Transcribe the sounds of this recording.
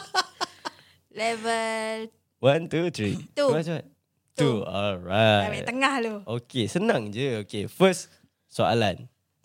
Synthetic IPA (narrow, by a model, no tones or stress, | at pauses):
lɛvəl | wãnt̪ut̪ʰɹit̪uaat | t̪uɔlɹaat̪̚əŋahlookesənãŋd͡ʒəokefəs | sɔʔa̰la̰n